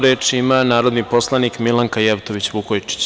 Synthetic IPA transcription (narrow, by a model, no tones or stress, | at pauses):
ɾeːt͡ʃiimanaːɾo̞d̪nipo̞slˠanikmilaŋkajeʋt̪o̞ʋit͡ɕʋukojt͡ʃi̥t͡ɕ